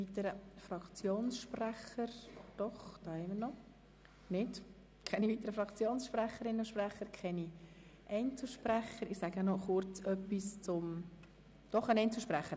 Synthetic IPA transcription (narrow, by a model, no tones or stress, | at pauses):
vit̪əɾəfrɑkt͡sjoːnsʃpræχəɾd̥ɔχd̥ɑːhɛɪməɾnɔ | nɪd | kʰɛniviːt̪əɾəfɾɑkt͡sjoːnsʃpræχəɾɪnoʃpræχəɾkʰɛni | ʔɛɪnt͡suʃpræχəɾɪsæɡənɔχʊɾt͡sœpːist͡sʊm | d̥ɔχənɛɪnt͡suʃpræχə